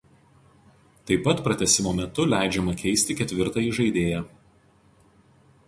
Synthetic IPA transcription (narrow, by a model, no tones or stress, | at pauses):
t̪ɐɪpːɐt̪pɾɐt̪ʲɛsʲɪmoːmʲɛt̪ʊlʲæˑɪd͡ʒʲɛmɐkʲɛɪsʲt̪ʲɪkʲɛt̪ʲʋʲɪɾt̪ɑjiʒɐɪd̪ʲeːjɛ